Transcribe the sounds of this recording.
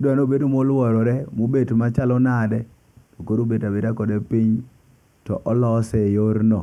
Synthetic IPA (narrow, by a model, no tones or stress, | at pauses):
doanobedomolwɔɾɔɾɛmobetmat͡ʃalɔnadɛ | tokoɾobedabedakɔdɛpiɲ | tɔ̰ʔɔlɔsɛjoɾnɔ